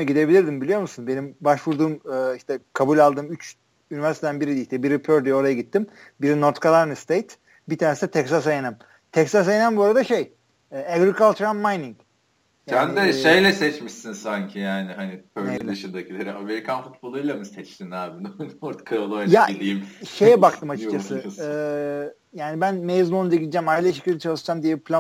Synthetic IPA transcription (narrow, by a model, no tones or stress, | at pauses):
ɛɟid̪e̞bilʲiɾd̪imbilʲijo̞ɾmusunbe̞nimbaʃvuɾd̪uːmɯːiʃt̪ɛkʰabulʲalˠd̪ɯːmyt͡ʃ | ynyvæɾst̪ed̪ænbiɾid̪iiʃt̪ɛbiɾipʰøɾd̪iɛo̞ɾajaɡit̪ʰːim | biɾinoɾt̪kalˠaɾnɯst̪ʰejt̪ | bit̪ʰaːnesɛt̪ʰɛksasejenæm | t̪ʰɛksas̬ejenæmbuaɾad̪aʃej | ɛæɡɾikalˠt̪ʰɾammajniŋɟ | jand̪ɛʃejlʲɛsɛt͡ʃmiʃsinsaɲcʰijaːniɦanipʰønejlɯʃɯnd̪acʰilʲeɾiameɾikʰanfut̪̚bolˠujlˠamɯsɛt͡ʃt̪ʰinaːbinoɾt̪kʰaolˠojjaid̪ijmʃe̞jɛbakt̪ʰɯmat͡ʃʰɯkt͡ʃʰasɯɯː | jaːnibænmejzlˠond͡ʒ̪aɟid̪id͡ʒæmajlʲˠaʃi̥cʰʲid̪ɛt͡ʃʰalˠɯʃd͡ʒamd̪ijɛbipʰlʲa